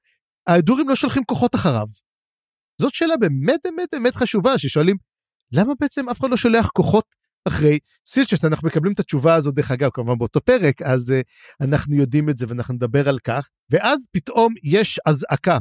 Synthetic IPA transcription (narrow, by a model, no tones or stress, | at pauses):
aeduʁimlo̞ʃolχimko̞χo̞taχaʁa̰v | zo̞tʃe̞ːlabe̞ːmet̚bemet̚bemet̪χaʃuvaʃeʃo̞alim | lamabeet͡se̞mafeχadlo̞ʃoleaχko̞χo̞t | aχʁe̞j | silt͡ʃesanaχnumekablimt̪at͡ʃuvaːzot̚beχaɡavkamuvanbeoto̞pe̞ʁekaze | anaχnujo̞dimetzeveanaχnuned̪abe̞ʁalkaχ | ve̞ʔazpitʔo̞mjeʃazaka